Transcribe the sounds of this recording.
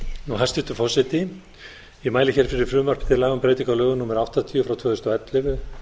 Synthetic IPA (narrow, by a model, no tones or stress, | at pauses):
nuɦasɪt̪ʏfɔsɪt̪ɪ | imaːjlɪçɛɾ̥fɪɾɪɾ̥fɾʏːmar̥pt̪ʰɪlaːɣʏmpɾeːjt̪iŋkalœːɣʏnumʏɾawht̪at̪ʰiːʏfɾawt̪ʰvœːðʏst̪ɔɛt̪lɪvʏ